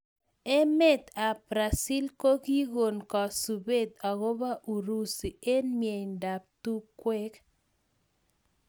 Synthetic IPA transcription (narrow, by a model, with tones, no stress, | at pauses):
ɛ˦me˦t̪a˨bɾa˨si˦lko˦ki˦ɣo˨nkɔ˨su˨be˦t̪a˨ɣo˦ba˦ʔu˨ɾu˦si˨e˦nmje˨ɲda˨p̚t̪u˦kwɛ˦k